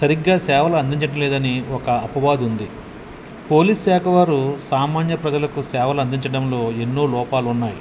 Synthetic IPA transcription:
sɐɾiɡːaːsɛːʋɐlɐɐnd̪iɲt͡ʃɐʈɐmleːd̪ɐniɔkɐɐpɐʋaːd̪und̪i | po̞ːliːssɛːkʰɐʋaːɾusaːmaːnjɐpɾɐd͡ʒɐlɐkusɛːʋɐlɐnd̪iɲt͡ʃɐɽɐmlo̞ːe̞nːoːlɔːpaːlunːaːji

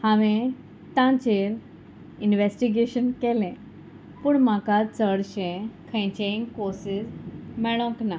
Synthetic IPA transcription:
haʋẽ | t̪ãt͡ɕeɾ | inʋesʈiɡeɕənkɛlɛ̃ | puːɳmakat͡səɽɕɛ̃kʰə̃t͡ɕeĩŋkoɾsid͡zmɛɭɔ̃kna

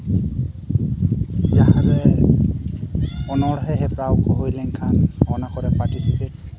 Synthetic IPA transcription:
d͡ʒaɦãɾɛ | ɔnɔɽɦɛɦɛpɹawkɔɦojlɛŋkʰanɔnakɔɾɛpaɹʈisipeʈ̚

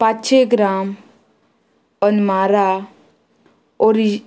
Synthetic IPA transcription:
patt͡ʃʰeɡɾaːm | ənmaːɾa | oɾi

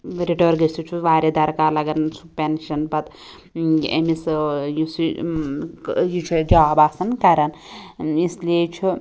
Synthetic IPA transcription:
ɾiʈoɾɡɐsut͡ʃʰuʋaːɾʲed̪ɐɾkaːlɐɡɐnt͡sʰupenʃɐnpɐt̪ | ḛmisjusi | jut͡ʃʰud͡ʒaːbaːsɐnkɐɾɐn | islet͡ʃʰu

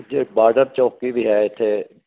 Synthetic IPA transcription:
d͡ʒeːbaːɖəɾt͡ʃɔːkkibʱiɦɛɪt̪ʰe

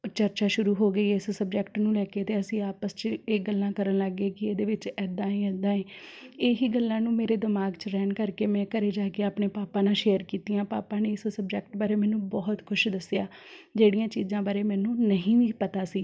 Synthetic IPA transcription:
t͡ʃəɾt͡ʃaːʃʊɾuːɦoːɡəiːɪssəb̚d͡ʒɛkʈnũːlɛːkeːt̪eːəsĩːaːpəst͡ʃeːɡəlːãːkəɾənləɡeːkɪeːd̪eːʋɪt͡ʃɛːd̪ãːĩːɛːd̪ãːeːeːɦiːɡəlːãːnũːmeːɾeːd̪ɪmaːɡt͡ʃɾɛːnkəɾkeːmɛ̃ːkəɾeːd͡ʒaːkeaːpɳeːpaːpãːnãːʃeːəɾkiːt̪ijãːpaːpãːneːɪssəbd͡ʒɛːkʈbaːɾeːmɛ̃ːnũːbɔːt̪kʰʊʃd̪əsɪjaːd͡ʒeːɽijãːt͡ʃiːzãːbaːɾeːmɛːnũːnəɦĩːʋiːpət̪aːsiː

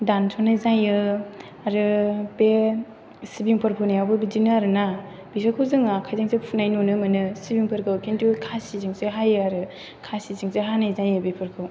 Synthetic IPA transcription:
dantʰɔnɯzajɯ | aɾɯbe | sibiŋpʰɯɾpʰɯnajawbɯbidinɯaɾɯna | bisakʰɯwzɯŋakʰajzaŋsepʰunajnunɯmɯnɯsibiŋpʰɯɾkʰɯwkʰentʰukʰasiziŋseɦajɯaɾɯ | kʰasiziŋseɦanɯzajɯbepʰɯɾkʰɯw

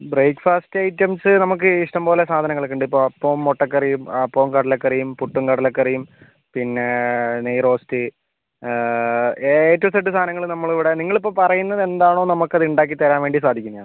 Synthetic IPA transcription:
brejkːfaːstɐjtːemsɨnɐmuk̬ːɨiʂʈɐmpoːlesaːd̪ʱɐnɐŋːɐɭekːuɳɖɨipːo̞ːɐpːoːmːoʈːɐkːɐrijumɐpːoːmkɐɽɐlekːɐrijumpuʈːuŋkɐɽɐlekːɐrijum | pinːe̞nejro̞ːsti | eːtːɐʋsɐʈ̬ːɨst̪ʰaːnɐŋːɐɭnɐmːɐɭiʋiɽe̞niŋːɐɭipːo̞ːpɐrɐjunːɐðe̞nd̪aːɳo̞ːnɐmukːɐðuɳɖaːk̬ːit̪ːɐɾaːnʋe̞ːɳɖisaːd̪ʱikʲːunːɐjanɨ

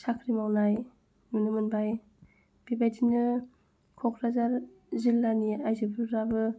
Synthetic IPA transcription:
sakʰɾimawnaj | nunɯmɯnbaj | b̥ibajdinɯ | kʰɔkʰɾazaɾ | zilːaniajzɯbɯɾabɯ

